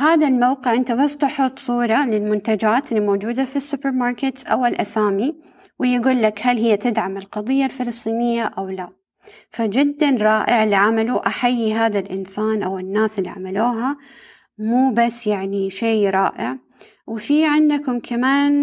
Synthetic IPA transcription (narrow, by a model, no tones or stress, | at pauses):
haːðalmawqɪʕʔɪnt̪abast̪ʊħʊt̪ˤsˤuːɾˤɑlɪlmʊnt̪ad͡ʒaːt̪ʔɪlːimoːd͡ʒuːd̪afisːʊpɪɾmɑːɾˤkɪt̪sʔa̰wɪlʔasaːmi | wɪjɪɡuːlːakhalhɪjːat̪ɪd̪ʕamɪlqɑðˤɨjːalfɪlɨsˤt̪ˤiːnɪjːaʔawla | fad͡ʒɪd̪ːanɾˤɑːʔɪʕɪlːiʕamaluʔaħajːiɦaːðalʔɪnsaːnʔawɪnːaːsɪlːiʕa̰maluːɦa | muːbasːjaʕniʃeːɾˤɑːʔɪʕ | wɪfiːʕɪnd̪kʊmkʰamaːn